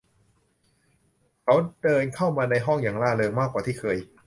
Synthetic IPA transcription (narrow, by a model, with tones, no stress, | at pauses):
kʰa˦˥wdɤː˧nkʰa˥˩wmaː˧na˧jɦɔ˥˩ŋjaː˨˩ŋlaː˥˩lɤː˧ŋmaː˥˩k̚ːwaː˨˩t̪ʰiː˥˩kʰɤː˧j